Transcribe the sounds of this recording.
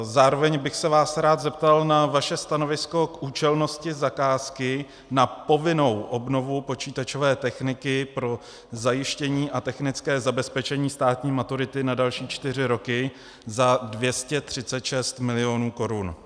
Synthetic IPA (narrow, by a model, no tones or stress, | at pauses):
zaːɾo̞vɛɲbɪxsɛvaːsɾaːt̪zɛpt̪alnavaʃɛst̪ano̞vɪsko̞kʔuːt͡ʃɛlno̞scɪzakaːskɪ | napo̞vɪno̞wʔo̞bno̞vupo̞t͡ʃiːt̪at͡ʃo̞vɛːt̪ɛxnɪkɪpɾo̞ | zajɪʃcɛɲiːʔat̪ɛxnɪt͡skɛːzabɛspɛt͡ʃɛɲiːst̪aːt̪ɲiːmat̪uɾɪt̪ɪnadalʃiːt͡ʃt̪ɪr̝ɪɾo̞kɪ | zadvjɛscɛt̪r̝̥ɪt͡sɛt̪ʃɛst̪mɪlɪo̞nuːko̞ɾun